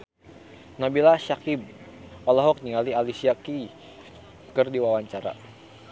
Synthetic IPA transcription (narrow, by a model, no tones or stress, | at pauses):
nabilaʃakib̚ | ɔlɔɦɔk̚niŋalialisiaki | kərdiwawaɲt͡ʃaɾa̰